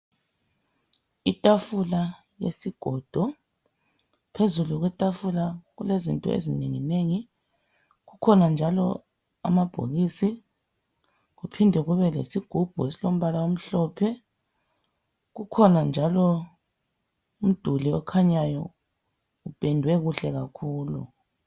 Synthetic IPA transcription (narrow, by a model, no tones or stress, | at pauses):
itʼafula | jḛsiɡ̥ʱɔd̥ʱɔ | pʰezuluɣwɛtʼafulaɣulezintʼɔ̰ḛzineŋineŋi | ɣukʰɔnand͡ʒʱalɔ | a̰mab̥ʱo̰ɣisi | ɣupʰindʱɛɣuβɛlḛsiɡ̥ʱub̥ʱuesilom̩βalawom̩ɬɔːpʰɛ | ɣukʰɔnand͡ʒʱalɔ | um̩d̥ʱuliɔkʰaɲajɔ | ub̥ʼʱɛndʱwɛɣuɬɛɣakʰuːlṵ